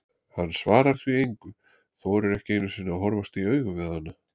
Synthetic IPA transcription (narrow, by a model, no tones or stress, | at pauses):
hanːsvaːɾaɾ̥θviejŋkʏ | θowɾɛɾɛhcɪejnʏsɪnːaɦɔɾvast̪iœːɥɣʏvɪðhanːa